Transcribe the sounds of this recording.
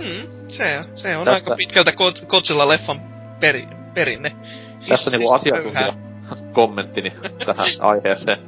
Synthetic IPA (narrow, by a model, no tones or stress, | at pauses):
m̩ː | seseonɑikɑpit̪kælt̪ækot̪kot̪silːɑlefːɑm | peri | peɾinːe | æst̪ːæniŋkkuɑsiɑøuhæɑ | komːent̪ːinit̪æhæ̰̃ɑ̰iheːseː